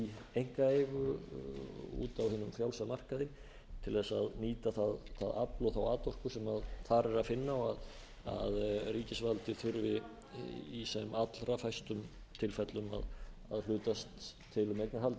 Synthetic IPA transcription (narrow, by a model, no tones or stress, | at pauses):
iejŋ̥kaejɣʏ | ṵːt̪awhɪːnːʏmfjawlsaðmar̥kaðɪn | t̪ʰɪlðɛsaðniːt̪aθaðθa̰ða̰plɔθawaːt̪ɔr̥kʏsɛmaðθaɾɛɾaðfɪnːaað | a̰ðriːcɪsvalt̪ɪθʏɾvɪ | isɛmat̪lɾafajst̪ʏm | t̪ʰɪlfɛt̪lʏma̰ða̰ðlʏːt̪ast̪ʰː | ɪlʏmejk̪naɾɦalt̪